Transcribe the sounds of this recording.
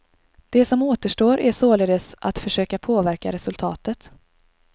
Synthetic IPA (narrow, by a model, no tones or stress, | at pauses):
d̪̥ɛsɔmoːt̪əʂʈoːɾʔæsoːleːd̪əsʔa̰t̪fœʂøːkapʰoːvæɾka̰ɾɛsɵlt̪ʰɑ̰ːt̪ət̪